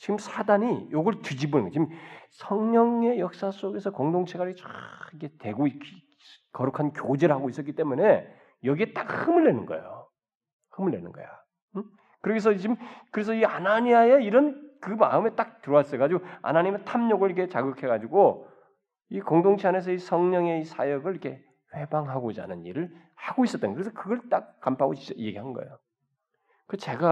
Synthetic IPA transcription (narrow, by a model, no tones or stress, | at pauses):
t͡ɕiɡɯmsʰadaɲijoɡʌɭtɯd͡ʑibonɯnɡʌt͡ɕimsʰʌŋɲʌŋe̞jʌk̚s͈as͈oɡe̞sʰʌkoŋdoŋt͡ɕʰeɡaɾt͡ɕaikʰetwe̞ɡoik | kʌɾukʰankjod͡ʑeɾɭhaɡois͈ʌk͈it͈e̞mune̞ | jʌɡie̞t͈ak̚hɯmɯɭːenɯnɡʌ̰ḛjo | hɯmɯɭːe̞̰nɯnɡʌ̰jo | kɯɾʌɡes̬ʰʌt͡ɕimkɯɾe̞s̬ʰʌianaɲiajeiɾʌnkɯma̰ɯme̞t͈ak̚tɯɾʌwas͈ʌokad͡ʑiɡoa̰naɲimetʰamɲoɡɯɭikʰe̞t͡ɕaɡɯkʰe̞ɡad͡ʑiɡo | ikoŋdoŋt͡ɕʰiane̞s̬ʰʌisʰʌŋɲʌŋe̞isʰa̰jʌɡɯɭiikʰe̞ | ɸwe̞baŋɦaɡod͡ʑa̰nɯnḭɾɯɭ | haɡois͈ʌt͈ɯnkɯɾes̬ʰʌkɯɡʌɭt͈ak̚k͈ampʰaɡo̰t͡ɕit͡ɕ͈aje̞ɡiɦanɯnɡʌ̰jo | kɯt͡ɕe̞ɡa